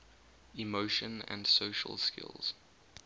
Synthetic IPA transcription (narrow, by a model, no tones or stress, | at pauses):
imoʊʃə̃nə̰̃ndsoʃə̰lˠskɪ̰lˠz̥